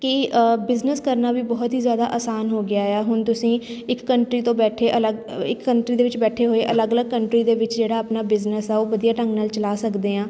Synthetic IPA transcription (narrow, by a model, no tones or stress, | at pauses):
kɪbɪznəskəɾnaːʋiːbɔːt̪ɦiːzjaːd̪aːʔaːsaːnɦoːɡɪaːɛɛːɦʊɳt̪ʊsĩːɪkːəɳʈɾiːt̪õːbɛːʈʰeːʔələɡɪkːəɳʈɾiːd̪eːʋɪt͡ʃbɛːʈʰeːɦoːeːʔələɡələɡ̚kəɳʈɾiːd̪eːʋɪt͡ʃd͡ʒeːɽaːaːpnaːbɪznəsɛːoːʋəd̪ijaːʈə̃ŋɡnaːlt͡ʃəlaːsəkd̪eːãː